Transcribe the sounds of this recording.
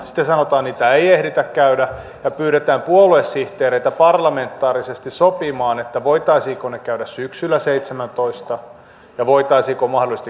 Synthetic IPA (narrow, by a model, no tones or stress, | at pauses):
si̥t̪ːesɑnot̪ɑːnniːt̪æeiehɾit̪ækkæydæ | jɑpyːɾet̪æːmpuoluesːiht̪eːɾeit̪æpɑrlɑment̪ːɑːrisest̪issopimɑːnet̪ːæʋoit̪ɑisiːkonekæyɾæssyksylːæseit̪semænt̪oist̪ɑ | jɑʋoit̪ɑisiːkomɑhdolˑist̪i